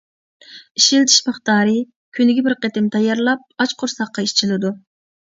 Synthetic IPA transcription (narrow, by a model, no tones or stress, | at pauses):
iʃilt̪ʰi̥ʃmɨχt̪ɑːɾɨ | kʲʰynɪɡʲɛbɪɾqet̪ɪmt̪ʰɑjɑɾlˠɑp̚ɑt͡ʃqʰʊɾsɑqːɑiʃt͡ʃʰilɨd̪u